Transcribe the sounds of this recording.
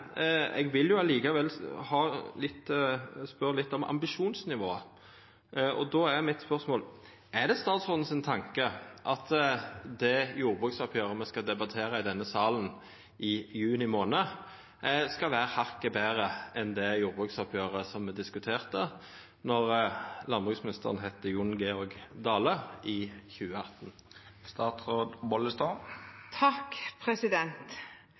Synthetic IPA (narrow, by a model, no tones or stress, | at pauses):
ɛ̰ɡʋɪljʊɑliːkɑʋɛlhɑːlɪt̪ːspœʁlɪt̪ːɔmʔɑ̰mbɪʃuːnsnɪʋoːə | ʔɔd̪ɔːæʁmɪt̪spœʁsmoːl | æd̪ɛst̪ɑːt̪sʊn̩sɪnt̪ʰɑŋkəʔɑt̪d̪ɛjuːʁbʁʉːksɔpʰjøːʁəmɛskɑd̪ɛbɑt̪ʰeːɾəɪd̪ɛnːəsɑːln̩ | ɪjʉːnɪmoːnə | skɑlʋæːʁəhɑʁkəbeːʁəɛnd̪ɛjuːʁbʁʉːksɔpʰjøːʁəsɔmːɛd̪ɪskʉt̪ʰeːʁt̪ə | nɔʁlɑnbʁʉːksmɪnɪst̪əʁənɦɛt̪ːəjʊnɡeɔʁɡd̪ɑːləɪːçʉːəɑt̪ːn | st̪ɑːt̪ʁoːd̪bɔləst̪oːt̪ʰɑkpʰɾɛsɪd̪ɛnt̪